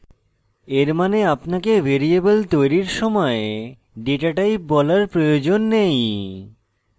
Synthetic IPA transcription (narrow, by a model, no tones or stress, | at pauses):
eɾmaneapnakeveɾiebolt̪ojɾiɾʃɔmɔe | ɖeʈaʈajbɔlaɾpɾojod͡ʑonːej